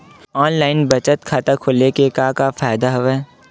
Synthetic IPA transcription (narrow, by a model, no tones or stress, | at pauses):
ɔːnlaːɪnbɐt͡ʃət̪kʰaːt̪akʰʊlekekaːkafaːjd̪aɦʊʋeː